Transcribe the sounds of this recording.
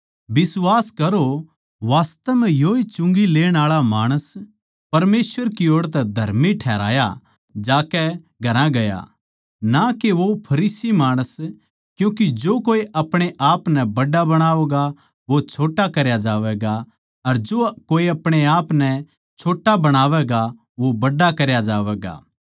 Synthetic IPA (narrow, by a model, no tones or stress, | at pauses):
bɪswaːskɐɾo | ʋaːst̪ɛmɛ̃joːit͡ʃʊ̃ŋɡileːɽ̃aːɭamaːɽ̃əs | pɐɾmeːsʋəɾkioːɽt̪ɛd̪ʱɐɾmiʈʰɛːɾa̰ːja̰ | d͡ʒaːkɛ | ɡʱɐɾãɡɐja̰ | nakeʋopʰɐɾiːsimaːɽ̃əs | kjũːkid͡ʒoːkoːiʔɐpɽ̃eʔaːpnɛbɐɖabɐɽ̃aːoɡa | ʋot͡ʃʰoːʈakɐɾjad͡ʒaːʋɛɡa | ɐɾd͡ʒoːkoːiɐpɽ̃eaːpnɛ | t͡ʃʰoːʈabɐɽ̃aːʋɛɡa | ʋobɐɖakɐɾjad͡ʒaːʋɛːɡa̰ː